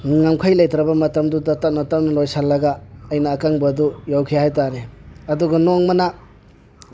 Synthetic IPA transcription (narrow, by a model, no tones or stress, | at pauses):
ŋamkʰajlajtɾɐbɐmɐtɐmdudɐtap̚nɐtap̚nɐlojsalːɐɡaɐjnɐːkaŋbɐdujawkʰijahajtaɾeɐduɡɐnoŋmɐna